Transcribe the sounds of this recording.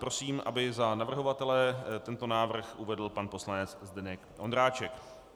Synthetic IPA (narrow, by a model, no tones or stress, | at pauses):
pɾo̞siːmʔa̰bɪzanavr̩ɦo̞vat̪ɛlɛt̪ɛnt̪o̞naːvr̩xʔuvɛdl̩panpo̞slanɛt͡szd̪ɛnɛkʔond̪ɾaːt͡ʃɛk